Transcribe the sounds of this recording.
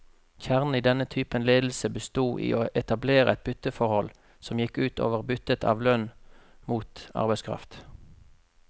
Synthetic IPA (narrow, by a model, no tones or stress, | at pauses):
çæʁnn̩iːd̪ɛnət̪ʰyːpənleːd̪l̩səbəst̪uːʔḭːʔoːʔɛt̪ɑbleːʁəɛt̪̚bʏt̪ːəfɔʁhɔl | sɔmjɪkːʉːt̪ʰo̰ːʋəʁbʏt̪ət̪ʰɑ̰ːʋlœnmuːt̪ɑ̰ʁbæɪskʰʁɑ̰ft̪